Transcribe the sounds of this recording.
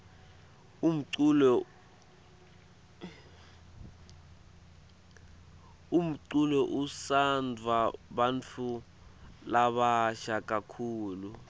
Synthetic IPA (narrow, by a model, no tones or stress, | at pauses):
um̩ǀul | um̩ǀulɔʔusand͡zʱwaɓant͡fʰu | laɓaʃak̬ʼakʰuːlu